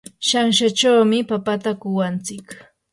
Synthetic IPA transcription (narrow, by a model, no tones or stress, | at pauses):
ʃaŋʃat͡ʃawmɪpapat̪akʊwant͡sɪk